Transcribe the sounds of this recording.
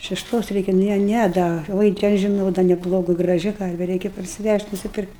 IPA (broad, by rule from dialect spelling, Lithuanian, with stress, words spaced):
ʃʲɛʃˈtoːs ˈrʲɛɪkʲɛ ˈnʲɛ ˈnʲæ dɐ ˈʋoːɪ tʲɛ ɐʃ ʒʲɪˈnɐʊ dɐ nʲɛˈblˠoːɡʊ ɡrɐˈʒʲɪ ˈkɐrʲʋʲɛ ˈrʲɛɪkʲɛ pɐrʲsʲɪˈʋʲæʃʲtʲ nʊsʲɪˈpʲɪrktʲ